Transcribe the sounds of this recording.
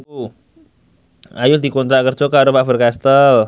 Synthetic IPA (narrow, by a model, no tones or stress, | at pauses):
u | ʔajʊd̪̥i̤kont̪ɾaʔkərd̥d͡ʒ̥ɔkaɾofaʔbərkast̪əl